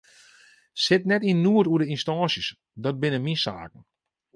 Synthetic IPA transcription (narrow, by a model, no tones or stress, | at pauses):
sɪtnɛtinːuətuədəinstɔːnsjəs | dɔt̚bɪnəminsa̰ːk̚n̩